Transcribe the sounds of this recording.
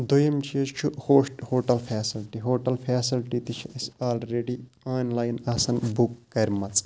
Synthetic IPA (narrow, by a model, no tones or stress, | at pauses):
d̪ujɐmt͡ʃʰiɐt͡ʃt͡ʃʰuhoːʂʈhoːʈɐlpʰeːsilʈiɦoːʈɐlpʰeːsilʈit̪it͡ʃʰiɐsaːlɾeːɖi | aːnlaːjnɐːsɐnbukːɐɾʲmɐt͡sʼ